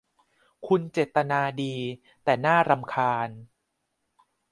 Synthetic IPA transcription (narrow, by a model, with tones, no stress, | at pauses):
kʰu˧nt͡ɕeː˨˩t̪ːa˧naː˧diː˧ | t̪ɛː˨˩naː˥˩ɾa˧mkʰaː˧n